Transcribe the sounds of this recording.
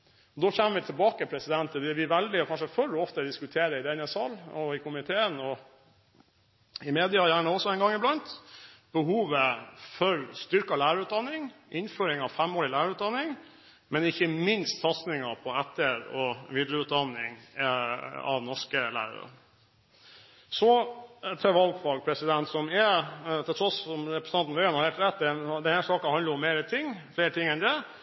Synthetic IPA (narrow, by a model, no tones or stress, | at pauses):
ɔd̪oːçɛmːəʋɪt̪ʰɪlbɑːkəpʰɾɛsɪd̪ɛnt̪ʰːɪd̪ɛʋɪʋæld̪ɪɔkʰɑnʂəfœɾɔft̪əd̪ɪskʉt̪ʰeːɾəɪd̪ɛnəsɑlɔɪkʊmɪt̪ʰeːənɔ | ɪmeːd̪ɪɑɑjæːɳəɔsɔɛɪnɡɑŋɪblɑnt̪b̥əɦuːʋəfœɾst̪ʏɾkɑlæːɾəʉːt̪̚d̪ɑnːɪŋʔɪnføːɾɪŋɑʋfæmoːɾɪlæːɾəʉːt̪̚d̪ɑnːɪŋ | mɛnɪçːəmɪnst̪sɑt̪snɪŋɑpʰɔɛt̪ːəɾɔʋɪd̪ɾəʉːt̪̚d̪ɑnːɪŋ | ɑ̰ʋnɔʂkəlæ̰ːɾə̰ɾə̰ | sɔt̪ʰɛʋɑlɡfɑlɡ̚pʰɾɛsɪd̪ɛnt̪sɔmɛt̪ʰɪlt̪ʰɾɔsɔmɾɛpɾɛsɑnn̩ʋøɛnɑɾhɛlt̪ɾɛt̪̚ːd̪ɛd̪ɛnhæʂɑːkɑhɑnəɾʊmːeːɾət̪ʰɪŋːfleːɾət̪ʰɪŋːɛnd̪ɛ